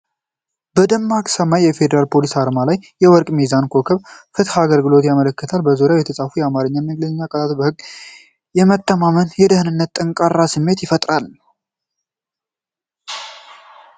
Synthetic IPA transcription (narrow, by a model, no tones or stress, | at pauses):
bəd̪əmːakʼsəmajːɛfe̞d̪əɾalpʰo̞lisaɾmalajːɛwɔɾkʼmizankʰo̞kʰəβfɨt̪haɡəlɡɨlo̞t̪jamələkːət̪ʰalbəzoɾjawjɛt̪ʰəsʼafujɛamaɾɨɲːajməɡləɲɲːakʼət̪ʰat̪obəhɨɡː | jɛmət̪ːəmamənjɛd̪əhnɨnːət̪ːʼəŋkʼarːasɨmːe̞t̪jɪfət̪ʼɾal